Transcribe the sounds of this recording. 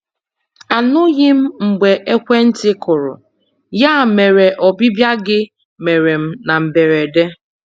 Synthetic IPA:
a˨nʊ˦ɣɪ˦m̩˦ŋ͡m̩˨ɡ͡be˨ʔe˦kʷe˦n̩˦tɪ˦kʊ˨ɾʊ̰˨ | ja˦˨me˨ɾe˨ʔɔ˨bi˦bja˦ɡɪ˦ | me˨ɾe˨m̩˦na˨m̩˨be˨ɾe˨de˦

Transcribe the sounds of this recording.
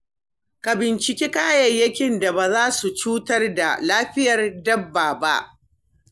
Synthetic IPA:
ka˨bɪ˨nt͡ʃɪ˨kʲiː˦kaː˦jɐ˨jːɐ˦kʲɪ˦nda˨baː˨zaː˦su˨t͡ʃuː˦tɐ˦rda̰˨laː˦ɸɪ˦jɐ˨rdɐ˦bːaː˨ba˦ʔ

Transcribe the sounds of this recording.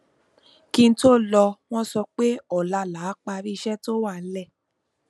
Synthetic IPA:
ki˧n̩˦to˦lɔ˧w̃ɔ̃˦sɔ˧k͡pe˦ɔ˦˨la˧˦la˨˦k͡pa˧ɾi˦˧ʃɛ˦to˦wa˦˨n̩˦lɛ˦˨

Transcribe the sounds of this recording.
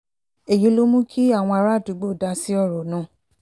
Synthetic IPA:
e˨jĩ˨˧˦lo˦mũ˦kʰi˦a˦˨w̃ɔ̃˧a˧ɾa˦˨tu˨˦ɡ͡bo˦˨da˧˦si˦ɔ˦˨ɾɔ˨nãː˦˨

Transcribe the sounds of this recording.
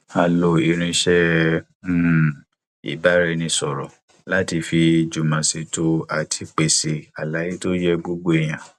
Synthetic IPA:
ha˨lo˨i˨ɾ̃ĩ˧˦ʃɛ˦˨ | ḭ˨ba˨˦ɾɛ˧nĩ˧sɔ˨ɾɔ˨ | la˦ti˧fi˧d͡ʒu˨mã˨se˧to˦a˨tʰi˧k͡pe˨se˨a˨la˨˦je˦to˦jɛ˦ɡ͡bo˦ɡ͡bo˦e˨j̃ã˨

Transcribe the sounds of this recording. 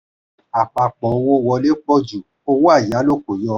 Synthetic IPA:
a˨k͡pa˨k͡pɔ˨˧w̃ɔ̃˧wɔ˧le˦k͡pɔ˦d͡ʒu˨ | o˧wa˦˨ja˨˦lo˦k͡po˨jɔ˧

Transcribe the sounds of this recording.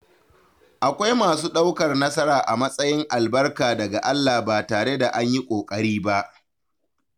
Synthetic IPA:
ʔa˨kʷa˦jmaː˨suː˦ɗa˦wkɐ˨rnɐ˦sɐ˦ɾaː˨ʔa˨mɐ˦sʼɐ˦jɪ˦ŋʔa˨lbɐ˦rkaː˨dɐ˨ɡa˨ʔa˦lːaː˨baː˨taː˨ɽe˦da˨ʔa˦ɲji˦kʷʼoː˨kʼɐ˦ɽiː˦ba˦ʔ

